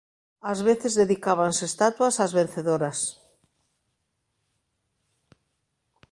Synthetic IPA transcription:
azβeθezðeðikaβ̞ansest̪at̪wasazβẽn̟θeðoɾas

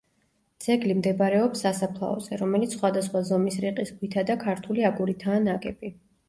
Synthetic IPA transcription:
d̪z̥ɛɡlimd̪ɛbɾɛɔpsːasapʰlˠa̰ɔzɛɾɔmɛlit̪ssχwad̪asχwazɔmisɾiqʼisɡwit̪ʰad̪akʰaɾt̪ʰuliaɡuɾit̪ʰaːnakʼɛb̥i

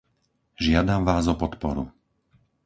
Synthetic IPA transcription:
ʒɪad̪amʋaːzɔpɔt̪pɔɾṵ

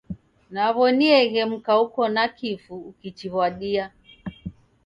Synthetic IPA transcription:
naβɔniɛɣɛm̩kaukɔnakifuːkit͡ʃiɣwaɗia

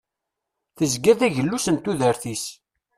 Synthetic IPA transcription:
θəzɡæθæʝəlːusənt̪uðəɾθis

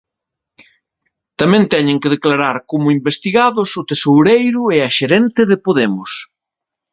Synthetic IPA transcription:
t̪amɛ̃nt̪ɛɲẽŋkeɪðeklaɾaɾkomʊimbest̪iɣaðʊsʊt̪esowɾejɾʊɛɐʃeɾɛnt̪ɪðɪpoðemʊs

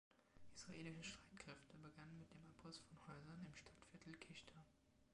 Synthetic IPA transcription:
ʔisʁ̥aʔeːlɪʃəʃtʁ̥aɪtkʁ̥ɛftəbəɡanənmɪt̚d̥eːmapɔstfɔnhɔʏzɐnɪmʃtʰatfɪɐtʰl̩kʰɪçtʰɐ

